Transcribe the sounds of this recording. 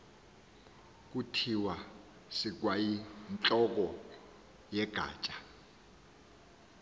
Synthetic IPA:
k̬ʼutʰiwa | sik̬wajint͡ɬʼɔk̬ɔ | jɛɡ̥ʱa̰ːt͡ʃʼḁ

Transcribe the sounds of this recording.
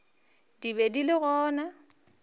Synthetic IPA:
dibedilɪɣɔːna

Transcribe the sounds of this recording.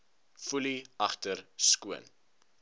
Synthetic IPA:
fuliɐχtərskuən

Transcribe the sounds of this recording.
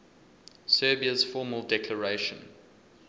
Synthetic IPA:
sɜːbiəz̥fɔːməlˠdɛkʰləɹeɪʃə̃n

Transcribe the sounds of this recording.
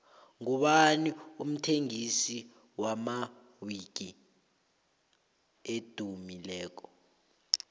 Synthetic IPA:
ŋuɓanium̩tʰeŋisi | wama | wiɡ̥̬ʱi | ed̥ʱumilɛːk̬ɔ̥

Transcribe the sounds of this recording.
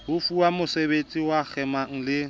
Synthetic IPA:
hʊfuamʊsebet͡sʼiwak͡xʰɛmaŋ̩lɪ

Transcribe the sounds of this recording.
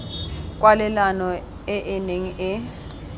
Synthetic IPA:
kʼwalɛlanɔ | ɛʔɪneŋiʔɪ

